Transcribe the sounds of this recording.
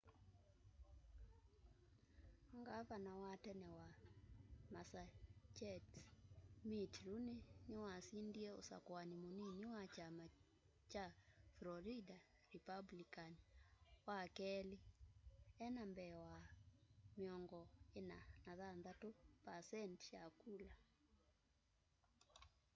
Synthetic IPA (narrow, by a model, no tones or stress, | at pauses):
ŋɡavanawatɛnɛwa | masat͡ʃɛt | mitɾunenɪwasindiɛosa̰kwanimoniniwat͡ʃama | t͡ʃaflɔɾida | ɾipablikaniwakɛli | ɛnambɛwa | meɔŋɡɔenanaðanðatopasɛntʃakula